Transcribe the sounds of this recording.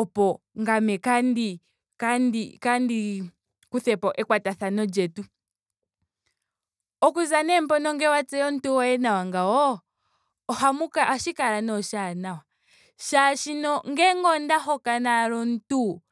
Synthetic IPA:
ɔpɔ | ŋɡamɛkandi | kandikandi | kuθɛpɔʔɛkwataθanɔd͡ʒɛtu | ɔkuzanɛm̩pɔnɔŋɡɛwat͡sɛjɔn̩tuwɔɛnawaŋɡaɔ | ɔhamukaːʃikaɾanɔʃanawa | ʃaʃinɔŋɡɛŋɡɔndaɦɔkanaɾɔn̩tu

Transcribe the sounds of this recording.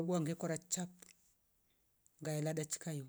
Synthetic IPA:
ɓuaŋɡekoɾat͡ʃap | ŋɡajaladat͡ʃi̥kaju

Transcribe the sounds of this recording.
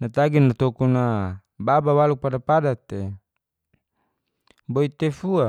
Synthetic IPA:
nat̪aɡinat̪okuna | babawaluk̚padapadat̪e | boit̪efua

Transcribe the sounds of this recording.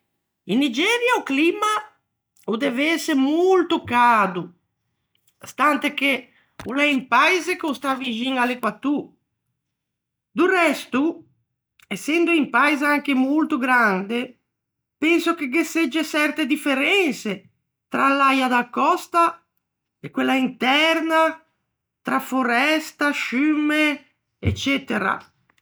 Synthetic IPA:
inːid͡ʒɛːɾjauklima | ud̪ɛveɛsemolt̪ukaːd̪u | st̪ant̪eke | ulɛimpajzekost̪avid͡ʒiŋalekwat̪ːu | d̪urɛst̪u | ɛsːɛnd̪oimpajzeaŋk̟emolt̪uɡɾand̪e | pɛnsok̟eɡesːed͡ʒːesɛrt̪ed̪ifeɾɛnse | t̪ɾalːajad̪akːɔst̪a | ekwelːaint̪ɛrna | t̪ɾafoɾɛst̪aʃymːe | ḛt͡ʃːɛt̪eɾa̰

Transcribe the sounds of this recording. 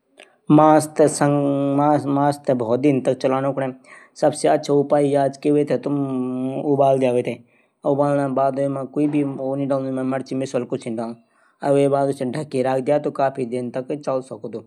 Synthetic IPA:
maːst̪sɐŋamaːst̪ʰebʱɔːd̪int̪ɐk̚t͡ʃɐlaːñõkɽẽsɐbseɐtːt͡ʃʰaupaːijaːd͡ʒkeʋet̪ʰet̪umubaːld̪jaːʋet̪ʰe | ubaːlnãːbaːd̪oemãkoibʱioːniɖaːmãmɐɽt͡ʃimɪsɐlkʊt͡ʃʰinɖãː | ɐʋebaːd̪osẽɖʱɐkːiɾaːk̚ʰd̪jaːt̪okaːpʰid̪int̪ɐkt͡ʃɐlsɐkod̪uː

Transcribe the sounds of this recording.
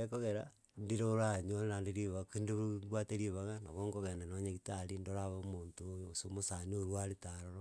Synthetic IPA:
ekoɣeɾa̰ | ndiɾoɾaɲoeɾandiɾiβakindiβɡwateɾiβaɣana̰βoŋɡoɣenenoɲeɣitaɾindoɾaβomoːntojosomosanioɾwaɾitaɾoɾo

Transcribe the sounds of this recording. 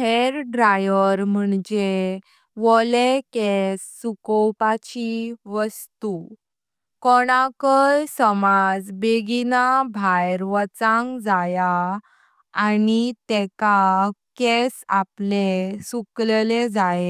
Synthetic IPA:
heɾɖɾajəɾm̤əɳd͡ʑe | ʋɔlekɛsːukɔwpat͡ɕiʋəst̪u | kɔɽ̃akəjsəmad͡zbeɡinabʱajɾʋət͡sãŋɡd͡zaja | anit̪ɛkakɛsa̰plesuklled͡zae

